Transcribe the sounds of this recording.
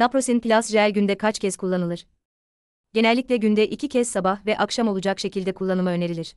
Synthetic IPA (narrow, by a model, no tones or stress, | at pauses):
napɾo̞sinplʲasʒælʲɟynd̪ɛkʰat͡ʃcʰɛz̥kʰulˠːanɯlˠɯɾ̥ | ɟ̥e̞nɛlʲːicʲlʲɛɟynd̪ɛʔicʰicʰɛzsabahvɛʔakʃamo̞lˠud͡ʒakʃe̞cilʲd̪ɛkʰulˠːanɯlˠmaø̞ne̞ɾilʲiɾ̥